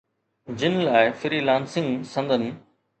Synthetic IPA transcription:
d͡ʑɪnlaːɪfɪɾiːlaːnsɪ̃ŋɡsɐ̃nd̪ʱənɪ̆

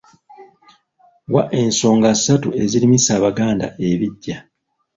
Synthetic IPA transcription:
waʔe̞nso̞ːŋɡasatue̞zilimisaːβaɡaːnda̰ʔe̞βiɟːa

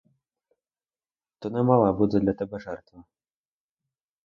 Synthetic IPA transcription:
t̪ɔnɛmalˠabud͡zʲɛd̪lʲɐt̪abɛʐɛrt̪vɐ

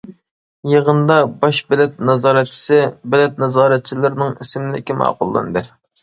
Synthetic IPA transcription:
jeʁənd̪ɑbɑʃbɛlɛt̪̚nɑzɑːɾɛt̪̚t͡ʃʰi̥sɪbɪlɛt̪̚nɑzɑːɾɛt̪̚t͡ʃʰilɨɾnɨŋisɪmlɪ̰kʲimɑ̰ːqʊlˠːɨ̰nɨd̪ɨ

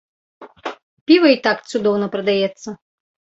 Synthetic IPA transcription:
pʲivɐit̪akt̪sud̪ɔwnɐpɾɐd̪ajɛt̪sːɐ

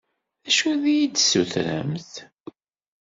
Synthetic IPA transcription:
æʃuðijid̪suθɾæ̰mθ

